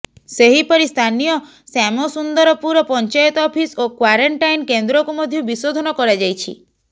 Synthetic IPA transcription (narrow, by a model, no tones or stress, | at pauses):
seɦipɔɾist̪ʰanijɔ | samɔsund̪ɔɾɔpuɾɔpɔnɲt͡ʃajɔt̪ɔpʰisokwaɾeɳʈajnkend̪ɾɔkumɔd̪ʱjubisod̪ʱɔnɔkɔɾad͡ʒajt͡ʃʰḭ